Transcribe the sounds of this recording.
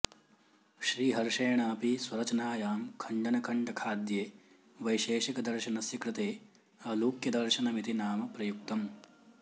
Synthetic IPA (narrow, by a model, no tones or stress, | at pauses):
ʃɾiːɦɐɾʂɐjɐɳaːpiswɐɾɐt͡ʃɐnaːjaːmkʰɐɳɖɐnɐkʰɐɳɖɐkʰaːd̪jeː | ʋɐjʃeːʃɐkɐd̪ɐɾʃɐnɐsjɐkɾɪt̪eː | ɐluːkjɐd̪ɐɾʃɐnɐmit̪inaːmɐpɾɐjuk̚t̪ɐm